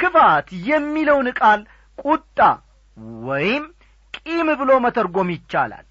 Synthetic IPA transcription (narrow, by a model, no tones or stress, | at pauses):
kɨfat̪jɛmːiləwnɨkʼal | kʼut̪ʼːa | wɔjɪm | kʼimɨbɨlo̞mət̪ʰəɾɡo̞mjɪt͡ʃːa̰la̰l